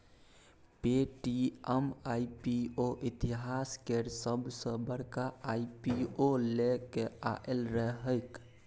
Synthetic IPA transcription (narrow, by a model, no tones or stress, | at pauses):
peʈiəmaipioʔit̪iɦaskeɾsəbʱsə̃bəɽkaaipiolekeaʔelɾəɦəɪk